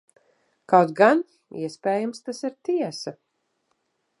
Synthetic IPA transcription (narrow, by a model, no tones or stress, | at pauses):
kawt̪ɡan | ḭɛspɛːjamst̪asiɾt̪iɛsa